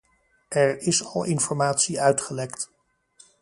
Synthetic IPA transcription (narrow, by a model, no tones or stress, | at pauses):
ɛɹɪsɑlˠɪnfɔɹmaːtsiœɥtχəlɛkt